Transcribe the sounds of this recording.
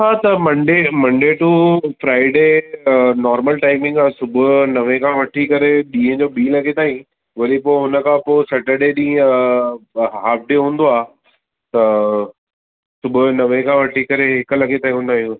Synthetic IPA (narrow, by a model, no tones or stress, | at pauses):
ɦaːt̪ɐmɐ̃ɳɖeːmɐ̃ɳɖeːʈufɾaːɪɖeːnɔːɾməlʈaːɪmɪ̃ŋɡaːsʊbʱʊnɐʋẽkʰãːʋɐʈʰikɐɾeɗĩːɦə̃d͡ʑoːbiːlɐɡet̪aːĩ | ʋɐɗipoɦʊnəkʰãposɐʈəɖeːɗĩː | ɦaːp̚ɖeːɦũːn̆d̪oaː | t̪ɐ | sʊbʱʊnɐʋẽkʰãːʋɐʈʰikɐɾeɦɪk̆lɐɡet̪aːĩɦũːnd̪aːɦijũ